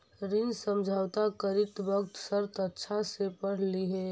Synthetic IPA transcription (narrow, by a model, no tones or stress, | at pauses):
ɾɪnsəmd͡ʒʱaːwt̪akəɾɪt̪bəkt̪səɾt̪ətːʃʰasepəɽ̤liɦɛː